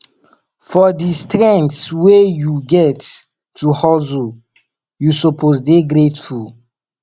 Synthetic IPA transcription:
fɔdistɾɛ̃ntswejuɡɛtː | uhɔzu | jusɔpʰozdeɡɾetful

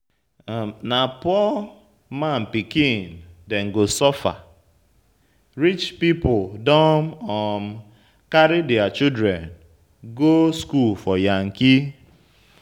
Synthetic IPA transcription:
napɔ | man̩pikĩndeŋ̩ɡosɔfa̰ | ɾit͡ʃpipʊdɔmɔm̩ | kaɾɪdiat͡ʃidɾen | ɡoskulfɔjaŋ̩ki

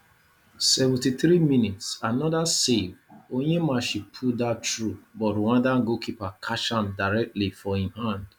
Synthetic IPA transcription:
sɛvɛ̃ntiθɾimĩnitsanɔdasevojemaʃipʰudatɹubɔɾuwãdãŋɡokʰipakʰaʃãmdaɹɛk̚tlifɔhĩmhãnd̥

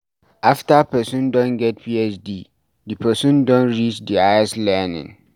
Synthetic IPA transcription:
ʔaftapɛsũndɔ̃nɡɛt̚pʰiɛt͡ʃdi | dipʰəsũndɔ̃nɹit͡ʃdiaɛslɛnɪ̰̃ŋ

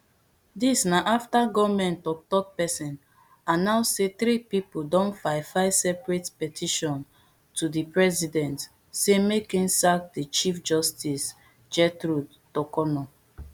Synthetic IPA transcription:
disnaʔaftaɡɔvmɛ̃ntɔk̚tɔt̚pɛsɛ̃n | anãʊsseθɾipipodɔ̃nfaɪfaɪsɛpɹetpɛtʰiʃɔ̃n | tudipɹɛzidɛ̃nt | semekĩnsak̚dit͡ʃifd͡ʒɔstis | d͡ʒɛtɹud | tɔkɔnɔ

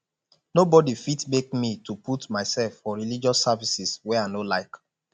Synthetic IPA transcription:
nobɔdifitmek̚mitʰuputmaɪsɛlfːɔɹilid͡ʒɔsːavisiswɛaɪnolaɪk

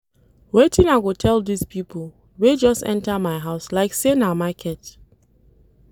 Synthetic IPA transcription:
wetʰĩnaɪɡotʰɛlˠdispʰipʰl̩ˠ | wed͡ʒɔstɛ̰̃ntamaɪɦaʊslaɪksenamakʰɛt

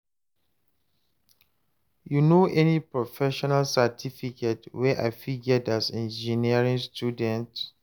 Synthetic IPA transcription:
junoʔɛnipɹɔfɛʃɔnalsatʰifiketwɛʔa̰ɪfiɡədasɛ̃nd͡ʒiniəɹĩŋstʰjudɛ̃nt

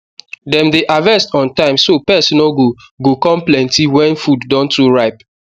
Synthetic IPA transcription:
dɛ̃mdeʔavɛstɔ̃ntãɪ̃msopɛsinɔɡo | ɡokɔ̃mplɛ̃ntiwɛ̃nfudːɔ̃ntuɹaɪp

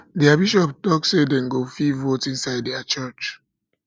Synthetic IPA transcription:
dɛabiʃɔptɔksedɛ̃nɡofivotĩnsaɪddɛat͡ʃɜt͡ʃ

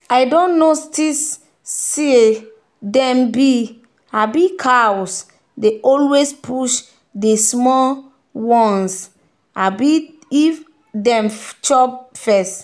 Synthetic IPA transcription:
ajdɔ̃nnːostis | sie | dɛ̃mbi | abikʰaws | deʔɔlwespʰuʃ | desmɔl | wɔ̃ns | abi | if | dɛ̃mt͡ʃɔp̚fɛst

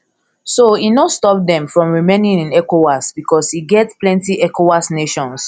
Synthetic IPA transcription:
soinostɔp̚dɛ̃mfɹɔ̃mɹimẽnĩnĩnɛkowasbikɔsiɡɛtplɛ̃ntiʔɛkowasneʃɔ̃ns

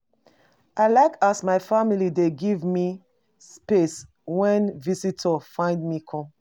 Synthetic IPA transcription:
ʔaɪlaɪkasmaɪfamilideɡivmi | spes | wɛ̃nvisitʰɔfãɪ̃ndmikʰɔ̃m

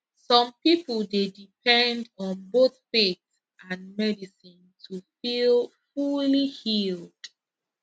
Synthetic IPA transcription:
sɔ̃mpipəlˠdedipʰɛ̃ndɔ̃nboθfets | ʔãnmɛdisĩntʰufilfulihild̥

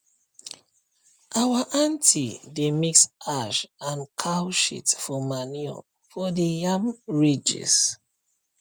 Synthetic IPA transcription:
ʔawaʔãntʰidemiksaʃãnkʰaʊʃḭtfɔmaniɔ̰ | fɔdəjamɹid͡ʒḭs

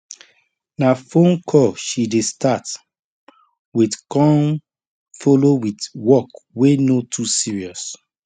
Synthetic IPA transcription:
nafõnkʰɔʃidestat | widkɔ̃n | fɔlowidwɔkwenotʰusiɹiɔs

